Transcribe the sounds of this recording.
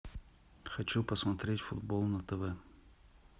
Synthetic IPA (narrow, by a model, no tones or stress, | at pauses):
xɐt͡ɕupəsmɐt̪ɾʲetʲfʊd̪̚bolˠnət̪ɛvɛ